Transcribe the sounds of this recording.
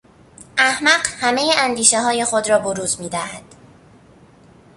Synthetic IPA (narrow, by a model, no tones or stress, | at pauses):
ʔæhmæɢhæme̞jeʔænd̪iːʃeɦɒːje̞xo̞d̪ɾɒːboɾuːzmiːd̪æhæd̪̥